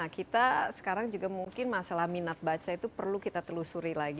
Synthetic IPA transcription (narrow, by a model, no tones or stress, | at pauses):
akit̪asə̥kaɾaŋd͡ʒuɡamuŋkɪnmasalahminat̪̚bat͡ʃait̪upərlukit̪at̪əlusuɾilaɡi